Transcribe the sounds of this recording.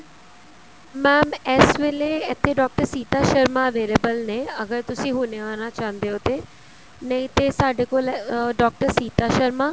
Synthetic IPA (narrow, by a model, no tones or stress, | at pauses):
mɛːmɛːsʋeːleet̪ʰːeɖɔːk̚ʈəɾsiːt̪aːʃəɾmaəʋeːlebəlneɐɡəɾt̪ʊsĩːɦʊneaːñat͡ʃãːnd̪eɦoːt̪eː | nəĩt̪esaːɖeːkoːlɖɔːk̚ʈəɾsiːt̪aʃəɾmaː